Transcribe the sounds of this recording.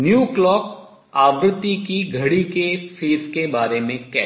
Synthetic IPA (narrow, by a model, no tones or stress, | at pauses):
njuːklɔːk̚ | aːbɾət̪ːikiɡʱɐɽikefʰiːɾkebaːɾemẽkɛː